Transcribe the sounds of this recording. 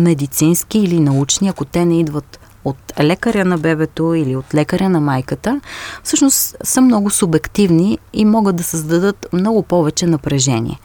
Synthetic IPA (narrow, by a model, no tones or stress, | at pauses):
mɛd̪it̪sinsk̟iːlinɐut͡ʃniɐkot̪ɛnɛid̪vət̪ | ot̪lɛkəɾʲənɐbɛbɛt̪oiliot̪lɛkəɾʲənɐmajkət̪əfsɤʃnost̪səmnɔɡʊsʊbɛkt̪ivniimɔɡət̪̚d̪ɐsəzd̪ɐd̪ɤt̪mnɔɡʊpɔvɛt͡ʃɛnɐpɾɛʒɛnḭɛ̰